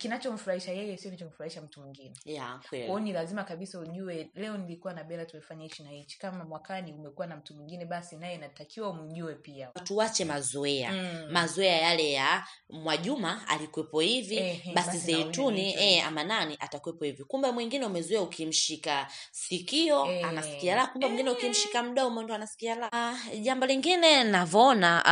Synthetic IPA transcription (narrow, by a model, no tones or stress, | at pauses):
kinat͡ʃɔm̩fuɾahiʃajɛjɛsiɔnat͡ʃɔm̩fuɾahiʃam̩tumwiŋɡinɛjakwɛlwɔnilazimakaɓisauʄuwɛlɛɔnilikuwanaɓɛlatumɛfaɲait͡ʃinait͡ʃi̥kamamwakaniumɛkuwanam̩tumwiŋɡinɛɓasinajɛnatakiwaum̩ʄuɛpiatuwat͡ʃɛmazɔɛa̰mazɔɛajalɛja | mwaʄumaa̰likwɛpɔhiviɓasizɛittuniɛa̰mananiʔatakwɛpɔhivikumbamwiŋɡinɛumɛzɔɛaukʰim̩ʃikasikiɔanasikialakumbamwiŋɡinɛukim̩ʃikam̩ɗɔumɔndɔanasi̥kialaʄambɔliŋɡinɛnavɔɔna